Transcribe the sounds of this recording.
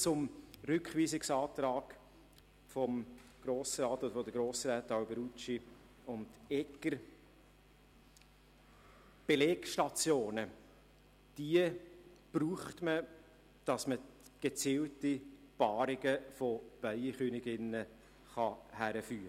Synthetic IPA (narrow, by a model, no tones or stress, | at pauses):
t͡sʊmrʏkχʋiːsɪksɑːt̪ɾɑːɡ̥ | fɔmɡ̥ɾoːsɾɑːtod̪əfɔd̪əɡɾoːsɾɛːtɑʊbəɾut͡ʃi | ʊntɛkːəɾ | b̥eleːkʃtɑt͡sjoːnə | d̥iə | b̥ruːχtmə | d̥ɑsməɡ̥et͡siːlti | pɑːɾɪɡəfob̥œɪiχynɪɡɪnːə | χɑhæɾəfyːɾə